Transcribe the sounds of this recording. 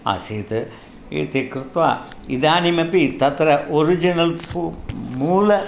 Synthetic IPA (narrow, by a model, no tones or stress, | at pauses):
a̰seːt̪ɨ | ḛːt̪ekɾɨt̪ʋa̰ː | iðaːnimɐpit̪ɐt̪ɾɐʔoɾid͡ʒinɐlpmuːlɐ